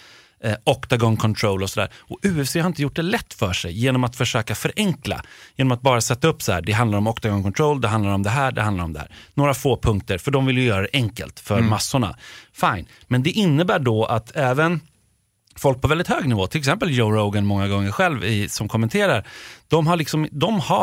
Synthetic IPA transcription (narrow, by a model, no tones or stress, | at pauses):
ɔkt̪aɡɔŋkʰɔnt̪ʰɾoʊlɔsɔd̪æ̰ːɾɔʉ̟ːɛfseːhaɾɪnt̪əjʊʈ̚ːd̪ɛlɛt̪ːfœʂɛ̰jːeːnɔmat̪fœʂøːkafœɾʔɛŋkla̰jeːnɔmat̪̚bɑːɾasɛt̪ːaɵpːsahæːɖɛɦand̪laɾɔmɔkt̪aɡɔŋkʰɔnt̪ʰɾoʊld̪ɛɦand̪laɾɔmd̪ɛɦæːɖɛ̰hand̪aɾɔmd̪ɛhæ̰ːɾnoːɾafoːpʰɵŋk̚t̪əɾfœɖɔmvɪljəjœːɾad̪ɛʔɛŋkə̰lt̪fœɾmasːʊɳa̰faɪn | mɛnd̪ɛʔɪnːəbæːɖɔʔat̪ʰɛːvən | fɔlk̚pʰɔvɛld̪ɪt̪høːɡnɪvoːt̪ʰɪlɛksɛmpəljoʊɾoʊɡanmɔŋːaɡɔŋːəɾɧɛlvɪsɔmkʰɔmːɛnt̪ʰeːɾaɾd̪̥ɔmɦaɭɪksɔmd̪ɔmha